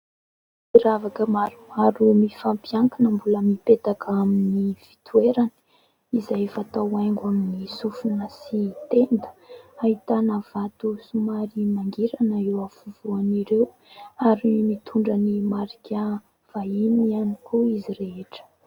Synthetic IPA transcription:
iɾavakəmaɾumaɾumifampjaŋkanəmbuləmipet̪akʰaminiv̥it̪ueɾan | izajfat̪awajŋɡaminisufunəsit̪end̪ə̥aɦit̪anəv̥at̪usumaɾimaŋɡiɾanəewafuvuaniɾew | aɾimit̪ʰuɳɖ͡ʐənimaɾikʲa | v̥ainianikuiziɾeɦeʈ͡ʂə̥

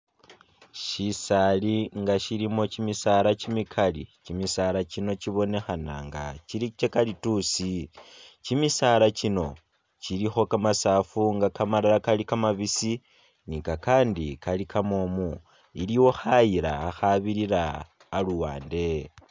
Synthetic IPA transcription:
ʃisaliŋɡaʃilimo̞t͡ʃimisaɾat͡ʃimikʰalit͡ʃimisalat͡ʃino̞t͡ʃiβo̞ne̞xana̰ŋɡa̰t͡ʃilit͡ʃekalitusi | t͡ʃimisalat͡ʃino̞ | t͡ʃilixo̞kamasaːfuŋɡakamalalakalikamaβisi | nikakaːndikalikʰamomu | iliwo̞xajiɾa̰ːxaβiɾiɾaː | luwa̰ːnde̞

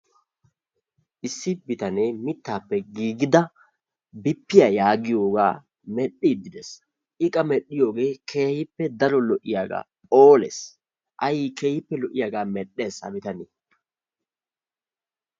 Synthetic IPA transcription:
ʔɪsːɪbɪt̪ɐnemɪt̪ːaːpːɛɡiːɡɪd̪ɐ | bɪpːɪjajaːɡɪjo̞ːɡa̰ː | mɛɗid̪ɪd̪ɛs | ʔɪkʼɐmɛɗːɪjo̞ːɡe̞ːkʰe̞ːhɪpːɛd̪ɐɾɔlɔʔɪjaːɡa̰ːpʼoːlɛ̰s | ʔɐjikʰe̞ːhɪpːɛlɔʔɪjaːɡaːmɛɗːe̞ːsɐ̰bɪt̪ɐneː

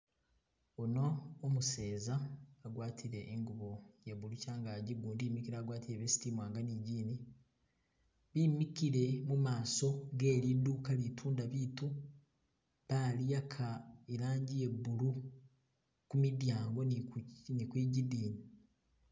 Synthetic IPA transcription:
onoːmuse̞ːzaːɡwaːtʰiɾe̞ʔːŋɡuβo̞jeβulucaːŋɡaɟiɡuːndiːmikiɾaːɡwaːtiɾeβesi̥timwaːŋɡaniɟiːni | βimikiɾe̞mumaːso̞ɡe̞ːɾiduːkalitʰuːndaβiːtu | βalijakʰaeɾaːɲɟije̞bːulu | kumidjaːŋɡo̞nnikwiːɟidiːni

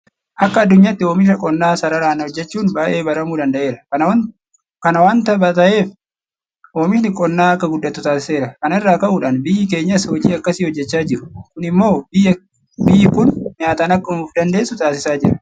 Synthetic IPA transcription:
ʔɐkːɐɐd̪ːʊɲːaːt̪ːɪoːmɪʃ̬ɐkʼɔnːaːsɐɾɐɾaːnɐhɔd͡ʒːɛt͡ʃːuːnbaːʔe̞ːbɐɾɐmuːd̪ɐnd̪ɐʔe̞ːɾɐkɐnɐwɐ | kɐnɐwaːnt̪ɐbɐt̪ɐʔe̞ːf | ʔoːmɪʃnɪkʼɔnːaːɐkːɐɡʊd̪ːɐt̪ːʊt̪aːsɪse̞ːɾɐkɐnɪrːaːkɐʔʊᶑaːnbɪjɪke̞ːɲːɐshɔd͡ʒiːɐkːɐsiːhɔd͡ʒːɛt͡ʃːaːd͡ʒɪɾʊ̥kʊnɪmːo̞ːbɪɐ | bɪjːɪkʊnːaːt̪aːnɐkːɐmuːfd̪ɐnd̪e̞ːsʊt̪aːsɪsaːd͡ʒɪɾɐ̥

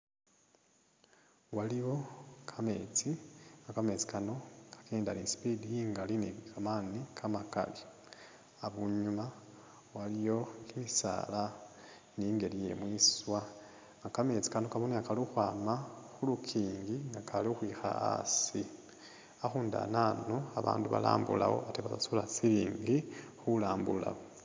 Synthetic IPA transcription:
waliwo̞kʰame̞̰t͡siŋakame̞t͡si̥kano̞kʰḁkeːnda̰nispidiiŋɡalinikʰamanikʰamaka̰li | aβuɲuma | walijo̞kimisa̰ːla | niŋɡe̞lije̞̰mwiswa | ŋɡakamet͡si̥kanokamoniakaliuxwaːmaxulukʰiːŋɡiŋɡakalixwiːxa̰a̰si | axuːnda̰naːno̞aβa̰ːnduβa̰la̰ːmbṵla̰wo̞̰ateβazasolat͡siɾiːŋɡixulaːmbula̰wo

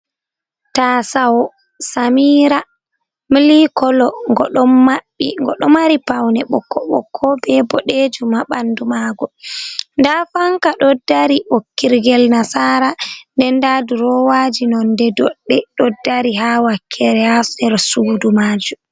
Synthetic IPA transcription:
tasawɔ | samiːɾa | milikɔlɔŋɡɔ̰ɗɔmmaɓːḭŋɡɔ̰ɗɔmaɾipawnɛɓɔ̰kːɔɓɔ̰kʰːɔbɛbɔɗed͡ʒumaɓandumaɡɔndafaŋkaɗɔdaɾiʔokːiɾɡɛlnasaːɾandɛndaduɾɔwad͡ʒinɔndɛdɔɗːɛɗɔdaɾiɦawakʰːɛɾɛasdɛɾsuːdumaːd͡ʒu

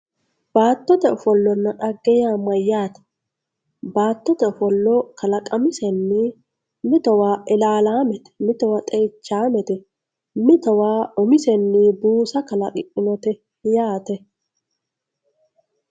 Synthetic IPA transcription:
b̥aːt̪ːɔt̪ɛɔfɔlːɔnːɐᶑɐɡːɛjaːmːɐjaːt̪ɛ̥ | baːt̪ːɔt̪ɐɔfɔlːɔkɐlɐkʼɐmɪsɛnːi | mɪt̪ɔwaːʔɪlaːlaːmɛt̪ɛ̥mɪt̪ɔwɐt̪ʼɛjt͡ʃːaːmɛt̪ɛ | mɪt̪ɔwaːɔmɪsɛnːibuːsɐkɐlɐ̰kʼɪʔɪnɔt̪ɛ | jaːt̪ɛ

